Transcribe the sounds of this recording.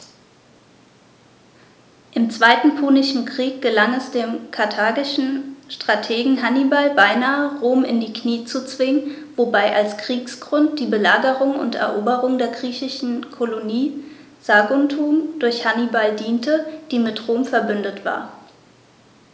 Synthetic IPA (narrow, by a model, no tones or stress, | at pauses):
ʔɪmt͡sv̥aɪtn̩pʰuːnɪʃn̩kʁ̥iːk̚ɡ̥əlaŋɛsd̥eːmkʰaɐtʰaːɡɪʃn̩ʃtʁ̥atʰeːɡŋ̩ɦanibalbaɪnaːəʁoːmɪndiːkniːt͡sut͡sv̥ɪŋən | vobaɪʔalskʁ̥iːksɡ̥ʁʊnt̚d̥iːbəlaːɡəʁʊŋʊ̰ntɛ̰ɐʔoːbəʁʊŋdeːɐɡʁiːçɪʃn̩kʰoloniː | z̥aɡʊntʰuːmd̥ʊɐçhanibaldiːntʰəd̥iːmɪtʁoːmfɛɐbʏndətv̥a̰ːɐ